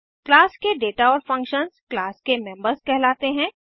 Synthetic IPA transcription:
klaːskeɖeːʈaɔːɾfɐ̃ŋkʃənzklaːskemɛ̃mbəɾzkɛɦlaːt̪eɦɛ̃ː

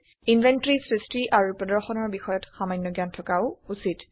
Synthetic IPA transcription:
invʱɛntɹisɹistɹiʔaɹupɹɔdɔɹxɔnɔɹbixɔjɔtxamajnːɔɡjantʰɔkaʊusit

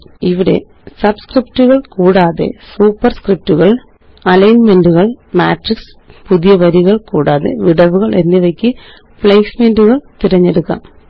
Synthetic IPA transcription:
iʋiɽe̞̰ | sɐbskriptuɣɐɭkuːɽaːðe̞̰suːpːɐrskrip̚tuɣɐɭ | ɐlɐjnmenduɣɐɭmaːʈriks | puðijɐʋɐɾiɣɐɭkuːɽaːðe̞̰ʋiɽɐʋuɣɐɭʔe̞nːiʋɐkʲːɨ | pɭejsmenduɣɐɭt̪iɾɐɲːe̞ɽukːa̰m

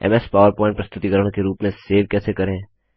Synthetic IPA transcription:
ɛ̰mɛspaːʋəɾpɔːɪ̃ɳʈ̚pɾɐst̪ʊt̪ikəɾəɽ̃keɾuːpmẽseːʋkɛːsekɐɾẽ

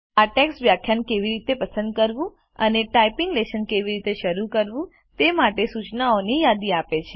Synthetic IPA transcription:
aʈɛksʋjakʰːjankeʋiɾit̪epəsə̃nd̪̚kəɾʋũ | əneʈaipiŋɡleʃənkeʋiɾit̪eʃəɾukəɾʋũ | t̪emaʈesut͡ʃnaonijad̪iapet͡ʃʰe

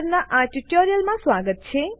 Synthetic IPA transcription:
ɾnaʔãʈuʈoɾijəlmãsʋaɡət̪̚t͡ʃʰe

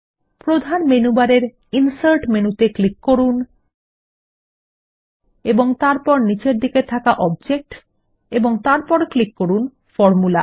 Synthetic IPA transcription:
pɾod̪ʱanmenubaɾeɾ | insaɾʈmenut̪eklikːoɾun | eboŋt̪aɾpɔɾnit͡ɕeɾd̪iket̪ʰakaʔɔb̚d͡ʑek̚ʈ | eboŋt̪aɾpɔɾklikːoɾun | fɔɾmula̰

